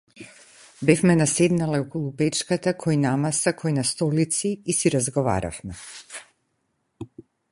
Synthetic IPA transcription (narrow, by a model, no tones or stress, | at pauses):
bɛfmɛnasɛd̪nalɛɔkɔlˠupɛt͡ʃkat̪akʰɔjnamasakʰɔjnast̪ɔlit̪siːsiɾazɡɔva̰ɾa̰fmɛ